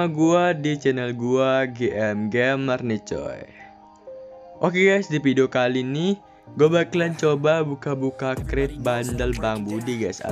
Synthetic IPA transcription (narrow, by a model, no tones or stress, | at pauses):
aɡuadit͡ʃɛnəlɡuaɡeʔɛmɡɛmːərnit͡ʃɔ̰j | ʔokeɡajsdipidokalinih | ɡobaklɛnt͡ʃobabukabukakɾɪt̪̚bandəlbaŋbudiɡajsa̰